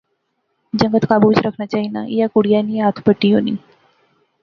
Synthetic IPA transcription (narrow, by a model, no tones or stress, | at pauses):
d͡ʑəŋɡət̪kabut͡sɾəkʰnjat͡ɕaɦina̰jakuɽijanːiːɦat̪ʰpəʈːiːɦonḭː